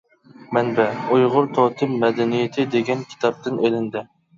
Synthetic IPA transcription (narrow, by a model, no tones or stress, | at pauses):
mɛnbɛujʁʊɾt̪ʰoːt̪ʰɨmːɛd̪ɛnijet̪ʰɪd̪eɡʲɛnkʲʰi̥t̪ʰɑp̚t̪ɪnelɪnd̪ɪ